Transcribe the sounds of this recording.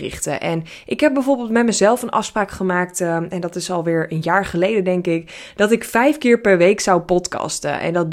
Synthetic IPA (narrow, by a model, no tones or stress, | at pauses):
ɪ̰χtə̰ʔɛn | ʔɪkɦɛp̚bɛjvoːɹbɪːlˠtmɛtməzɛlˠfənʔɑ̰fspraːkχəmaːktɛndɔtɪsɔlˠʋɪːɹənjaːɹχəlejdədɛŋkɪkd̥ɔtɪkfɛjfkɪːɹpɛɹʋejksawpɔtkɑ̰stə̰ʔɛ̰ndɔt̚